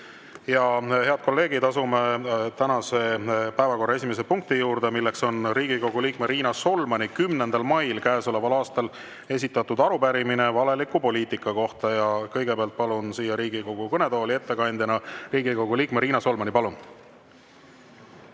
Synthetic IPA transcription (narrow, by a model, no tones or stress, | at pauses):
jɑhe̞ɑd̪̥̚ko̞lːe̞ːɡ̥id̪ɑsumet̪ænɑse̞pæevɑko̞rːɑe̞simes̬epuŋk̚t̪ijuːɾd̪e̞milːe̞kso̞nriːɡ̥iko̞ɡ̥uliːkmeɾiːnɑso̞lmɑnikymnend̪̥ɑlmɑjlkæesolevɑlɑːst̪ɑl | e̞s̬ʲit̪ːˑɑt̪ːud̪̥ɑɾupæɾiminevɑle̞likˑupo̞liːt̪ikːˑɑko̞ht̪ɑjɑkɤjɡepeɑlt̪̚pɑlunsiːjːɑɾiːɡ̥iko̞ɡ̥ukɤne̞t̪o̞ːlie̞t̪ːe̞kɑnʲd̪ʲjɑnɑriːɡ̥iko̞ɡ̥uliːkmeɾiːnɑso̞lmɑnipɑlun